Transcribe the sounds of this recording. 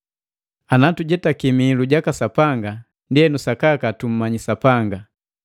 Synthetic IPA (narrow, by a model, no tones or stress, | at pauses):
anatuɟɛtakimiluɟakasapaŋɡa | ndiɛnusakakatum̩maɲisapaŋɡa